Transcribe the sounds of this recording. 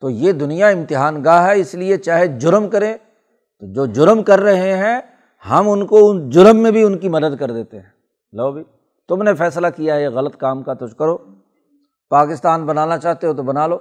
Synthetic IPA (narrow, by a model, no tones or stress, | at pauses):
t̪oːjeːd̪ʊnijaɪ̃mt̪ɪɦaːnɡaːɦɦɛɪsliet͡ʃaːɦed͡ʒʊɾmkɐɾẽ | t̪od͡ʒoːd͡ʒʊɾmkɐɾːɐɦeɦɛ̃ | hɐmʊnkoʊd͡ʒʊɾəmːẽbʱiʊnkimɐd̪əd̪kɐɾd̪eːt̪eɦɛ̃ː | loːbʱi | t̪ʊmnefɛːslakijaɦɛeɣɐlət̪kaːmkat̪ʊt͡ʃkɐɾoː | paːkɪst̪aːnbɐnaːnat͡ʃaːɦt̪eɦot̪̬obɐnaːloː